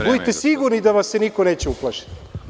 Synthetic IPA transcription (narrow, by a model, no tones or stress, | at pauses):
bud̪it̪e̞siɡuɾnid̪aʋassenikoneːt͡ɕeuplˠaʃi̥t̪